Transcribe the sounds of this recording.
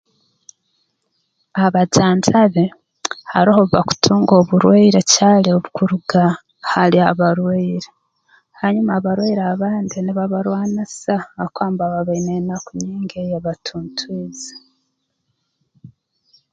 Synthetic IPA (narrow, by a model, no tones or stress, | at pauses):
aβaɟaːnzaβe | haɾihoβuβa̰ku̥tʰuːŋɡo̞ːβuɾweiɾecaːlioβukuɾuɡa | haɾiaβaɾweiɾe | haɲumaβaɾweiɾaβaːndiniβaβaɾwaːnasaakwaːmbaβaβeinenakuɲiːŋɡejaβatʰuːntʰwiːze̥